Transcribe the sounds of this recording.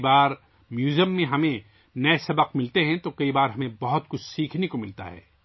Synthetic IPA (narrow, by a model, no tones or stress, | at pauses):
baːɾ | mjuːzijəmːẽɦɐmẽ | nɐesɐbəqmɪlt̪eɦɛ̃t̪okɐibaːɾɦɐmẽbɐɦʊt̪kʊt͡ʃʰsiːkʰnekomɪlt̪a̰ɦɛ̰ː